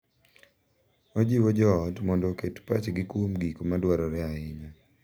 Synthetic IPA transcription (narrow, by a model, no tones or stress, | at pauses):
od͡ʒiwod͡ʒɔɔtmɔndɔketpat͡ʃɡikumɡikmadwaɾɔɾɛaɪɲɔ